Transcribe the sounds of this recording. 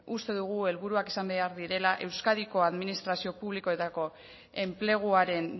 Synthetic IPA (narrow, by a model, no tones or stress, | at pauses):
ust̪e̞ðuɣue̞lβuɾuaki̥sambe̞aɾðiɾe̞laʔe̞wskaðiko̞aðminist̪ɾasio̞puβliko̞e̞t̪ako̞ | e̞mple̞ɣ̞uaɾe̞n